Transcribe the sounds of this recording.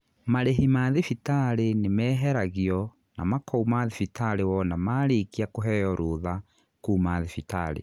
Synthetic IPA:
maɾeɦimaðifitaɾenemɛːɦɛɾaɣiɔ | na̰makʰɔumaðifitaɾewɔnamaːɾekiakoɦɛjɔɾoːða | kuːmaðefita̰ɾḛ

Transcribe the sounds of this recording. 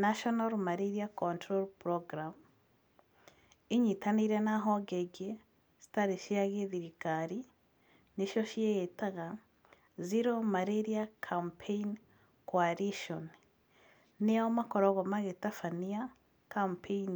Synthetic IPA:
naʃonalmaɾeɾiakontɾolpɾoɡɾam | iɲitaniɾenaɦoɡeɡe | zi̥taɾiʃiaɣeðiɾikaɾi | niʃoʃiejetaɣa | ziɾomaɾeɾiakʰampʰein | kwaɾiʃon | ijaomakoɾoɣomaɣetafania | kampʰein

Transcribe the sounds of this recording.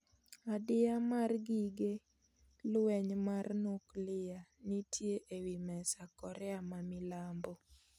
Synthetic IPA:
adɪamarɡiɡe | lwɛɲmarnoklɪjanitʰjeʔewimɛsakɔɾɛamamɪlambo

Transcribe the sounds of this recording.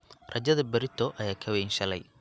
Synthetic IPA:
rɐd͡ʒɐðɐbɐɾɪt̪ʰːɔʔɐjaːkʰɐwɛnʃɐlɛ̰j

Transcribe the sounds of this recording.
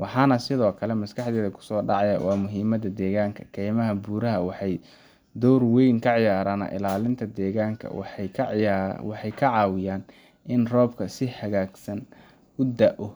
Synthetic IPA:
wʔɑħɑːnɐsɪðɔːkʰɐlɛmɐskʰɑħd̪ɛːðɐkʰʊ̥sɔːɖɑʕɑjɐ̰wɑːmʊɦiːmɐd̪ɐd̪ɛːɣaːŋkʰɐ̥kʰɛːjmɐɦɐbuːɾɐɦɐwɑħɑj | d̪ɔwrwɛjŋkʰɐʕɪjaːɾaːnɐ̰ʔɪ̰laːlɪnt̪ʰɐd̪ɛːɣaːŋkʰɐ̰w | wɑħɑjkʰɐʕɑːwɪjaːn | ʔɪnrɔːbkʰɐsɪhɐɣaːɡsɐn | ʊd̪ɐʔɔ

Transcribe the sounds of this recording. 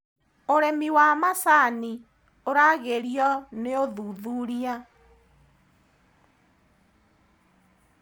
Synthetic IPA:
oɾɛmiwaːmasani | oɾaɣeɾiɔneoðuːðuɾia

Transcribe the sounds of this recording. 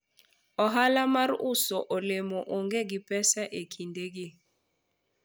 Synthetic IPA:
ɔɦalamarʊsoʔolemɔʔoŋɡeɡɪpɛsɛʔekʰindeɡɪ

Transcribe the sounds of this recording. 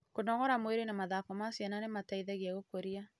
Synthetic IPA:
konɔɣɔɾamweɾenamaðakɔmasjananemataiðɛɣeaɣokoɾia

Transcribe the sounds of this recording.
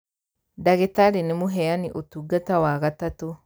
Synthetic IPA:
daɣetaɾenemuɦɛjaniʔotuɡatawaɣatato

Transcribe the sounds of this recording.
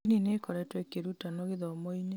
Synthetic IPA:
ninekɔɾɛtwɛkeɾutanoɣeðɔmoine

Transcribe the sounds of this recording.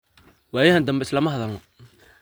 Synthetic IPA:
waːjɐɦɐnd̪ɐmbɛɪslɐmɐɦɐðɐlmɔ

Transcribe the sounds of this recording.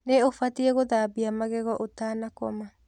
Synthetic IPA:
neofatiɛɣoðaːbiamaɣɛɣɔʔotaːnakɔma

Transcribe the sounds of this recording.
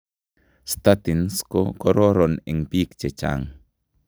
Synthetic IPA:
st̪at̪inskokoɾoɾoniŋpikt͡ʃet͡ʃa̰ŋ

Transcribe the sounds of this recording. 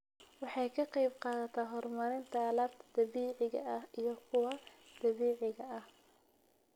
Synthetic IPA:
wɑħɑjkʰɐqɑjbqɑːðɐt̪ʰɐɦɔrmɐɾɪnt̪ʰɐːlaːbt̪ʰɐd̪̥ɐβiːʕɪɣɐ̰ɐhijɞkʰʊwɑ | d̪̥ɐβiːʕɪɣɐʔɐh

